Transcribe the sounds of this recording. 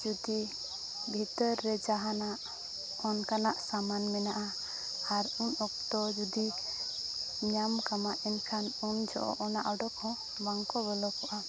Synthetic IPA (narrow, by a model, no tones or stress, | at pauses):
d͡ʒud̪i | bʱit̪əɾːɛd͡ʒaɦanaʔ | ɔnkanaʔsamanmɛnaʔa | aɾunɔk̚t̪ɔd͡ʒud̪i | ɲamkamaʔinkʰanund͡ʒɔ̰ʔɔ̰ʔɔnaʔɔɖɔkʰɔ̃ | baŋkɔbɔlɔkɔʔa